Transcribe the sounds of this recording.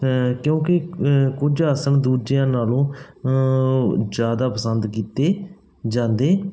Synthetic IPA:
kjõːkɪkʊd͡ʒaːsəɳd̪uːɾd͡ʒejãːnaːlõː | d͡ʒjaːd̪aːpəsənd̪kiːt̪eː | d͡ʒãːnd̪eː

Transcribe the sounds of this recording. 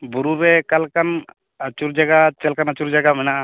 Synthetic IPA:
buɾuɾɛkalkan | ət͡ʃuɾd͡ʒaɡat͡ʃɛlkanat͡ʃuɾd͡ʒaɡamɛnaʔ

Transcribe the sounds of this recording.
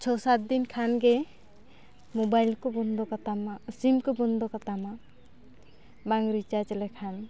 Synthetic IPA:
t͡ʃʰɔsat̪̚d̪inkʰanɡɛ | mɔbajlkɔbɔnd̪ɔkat̪amasimkɔbɔnd̪ɔkat̪ama | baŋɾit͡ʃad͡ʒlɛkʰan

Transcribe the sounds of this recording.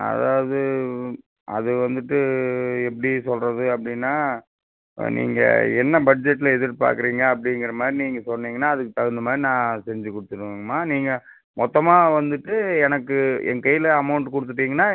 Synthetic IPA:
ɐ̰ða̰ːʋɐðɯ | ɐ̰ðɯʋɐnd̪ɯʈːɯɛpːɐɽisɔlrɐðɯɐpːɐɽɪnːaː | nḭːŋɡɐ̰ɛnːɐbɐɖ̚d͡ʒɛʈːɪlɐɛðɯɾpa̰ːɾkɯɾiːŋɡɐːp̬ːɐɽɪŋɡɪɾɐmaːd̪ɾiniːŋɡɐsɔnːiːŋɡɐnːaːɐðɯkːɯt̪ɐɣɯnd̪ɐmaːd̪ɾinãːsɛɲd͡ʒɯkɔɽɯt̪ːɯʈːɯŋɡɐmaːniːŋɡɐ | mɔt̪ːɐmaːʋɐnd̪ɯʈːɯɛnɐkːɯɛ̰ŋkɐjɪlɐɐmɐʊɳʈkɔɽɯt̪ːɯʈːiːŋɡɐnːaː

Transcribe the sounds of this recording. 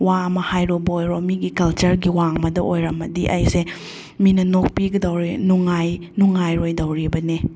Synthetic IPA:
wamɐhajɾobɐojɾomiɡikɐlt͡ʃɐɾɡiwaŋmɐdɐʔojɾɐmɐdiʔɐjse | minɐnok̚piɡɐdɐwɾinuŋaj | nuŋajɾojdɐwɾibɐne

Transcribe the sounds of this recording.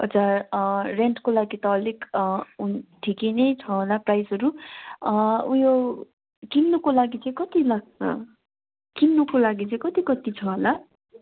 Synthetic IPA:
ʌ̰t͡sareɳʈkolaɡit̪ʌːleɡunʈʰikenejt͡sʰʌɦolaprajsɦʌɾu | ujo | kimnukolaɡit͡sʌĩkʌt̪ilaɡ̚t͡sʰʌ̰ | kimnukolaɡit͡sʌĩkʌt̪ikʌt̪it͡sʰʌɦola

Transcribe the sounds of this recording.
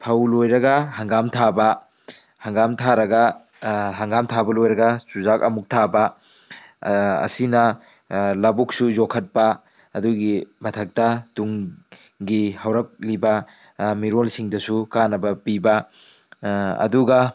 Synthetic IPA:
pʰɐwlojɾɐɡɐhɐŋɡamtʰabɐ | hɐŋɡamtʰaɾɐɡɐ | ɦɐŋɡamtʰabɐlojɾɐɡɐsuzakɐmuk̚tʰabɐ | ɐ̰sinɐ | lɐbuk̚suzokʰɐt̚pɐː | duɡimɐtʰɐk̚tɐtuŋ | ɡihɐwɾɐk̚libɐ | miɾolsiŋdɐsukanɐbɐpibɐ | ɐ̰duɡɐ

